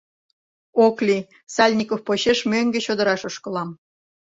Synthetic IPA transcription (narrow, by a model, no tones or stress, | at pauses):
oklʲi | sɑlʲnʲikofpoɕeʃmøŋɡĕɕod̪ə̆ɾɑʃoʃkɤ̆lɑm